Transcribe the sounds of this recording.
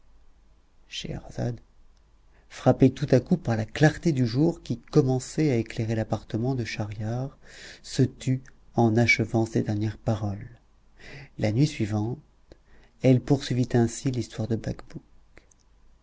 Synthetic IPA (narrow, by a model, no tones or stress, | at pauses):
ʃḛʁa̰za̰d̪ | fχapet̪ut̪akupaʁlaklaʁt̪ed̪yʒuʁkʲikɔmɑ̃sɛaekleʁelapaʁt̪əmɑ̃d̪əʃaʁjaʁsət̪yɑ̃naʃəvɑ̃sed̪ɛʁnjɛʁpaʁɔl | lanɥisɥivɑ̃t̪ | ɛlpuʁsɥivit̪ɛ̃silist̪waʁd̪əbakbuk